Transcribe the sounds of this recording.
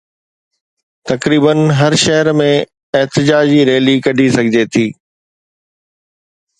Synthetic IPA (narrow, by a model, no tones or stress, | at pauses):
t̪ɐkɾiːbənɦɐɾʃɐɦəɾmẽ | ɪɦt̪ɪd͡ʑaːd͡ʑiɾeːlikɐɖʱisɐɡʱɪd͡ʑet̪ʰiː